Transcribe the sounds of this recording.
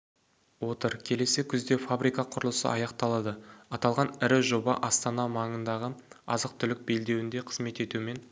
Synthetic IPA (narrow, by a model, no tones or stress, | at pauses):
wo̞t̪əɾkʲʰe̞le̞sɪkʲʰʏzd̪efabɾijkɑqʰʊɾəlˠəsə̰ʔɑjɑqt̪ɑlˠɑd̪əɑt̪ɑlˠʁɑnɪɾɪʒo̞bɑ̰ʔɑst̪ɑnɑmɑɴənd̪ɑʁəɑzəq̚t̪ʰʏlɪk̚be̞ld̪e̞wɪnd̪e̞qʰəzme̞t̪e̞t̪uɪme̞n